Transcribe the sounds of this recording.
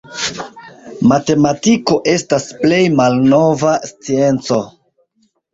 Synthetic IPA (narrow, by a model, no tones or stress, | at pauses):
mate̞matiko̞ʔe̞stasple̞jmalno̞vast͡sie̞nt͡so̞